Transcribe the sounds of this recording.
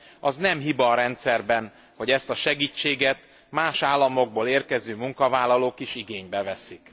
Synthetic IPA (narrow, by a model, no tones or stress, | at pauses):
ɒznɛmɦibɒɾɛnt̪sɛrbɛn | ho̞ɟɛst̪ɒʃɛɡiːt͡ʃːeːɡɛt̪ | maːʃaːlːɒmo̞ɡ̚boːleːrkɛzøːmuŋkɒvaːlɒloːkiʃiɡeːɲbɛvɛsik